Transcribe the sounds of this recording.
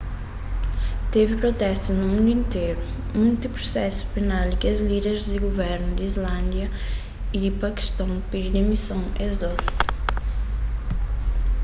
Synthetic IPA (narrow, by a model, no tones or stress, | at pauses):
t̪evɪpɾot̪ɛst̪unumũnd̪uĩnt̪ejɾu | mũj̃nt̪upɾusɛsu̥penalˠkɪɐzliðeɾzd̪ɪɡovɛɾnʊd̪izlɐ̃nd̪jɐ | id̪ɪpɐki̥ʃt̪ɐ̃w̃pidid̪emisɐ̃w̃ezɔs